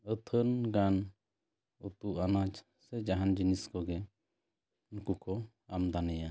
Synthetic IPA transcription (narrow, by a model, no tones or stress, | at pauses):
ət̪ʰənɡan | ut̪uanad͡ʒ | sɛd͡ʒaɦand͡ʒiniskɔɡɛ | nukukɔ | amd̪anɛja